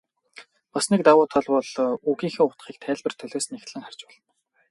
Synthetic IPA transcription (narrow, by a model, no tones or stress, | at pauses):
pasnek̚t̪awʊːt̪ʰɔɮpɔɮuɣiːŋxɘ̆ŋʊt̪χiːk̚t̪ʰæːɮʲpɘ̆r̥t̪ʰœɮoːsnext̪ɮɘ̆ŋχar̥ʲt͡ɕpɔɮɞ̆n